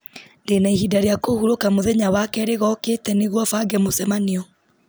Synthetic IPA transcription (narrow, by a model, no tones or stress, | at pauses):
ndenaiɦidaɾeakohuɾokamoðɛɲawakɛɾeɣɔkeːtɛneɣwɔfaɡɛmosɛmaniɔ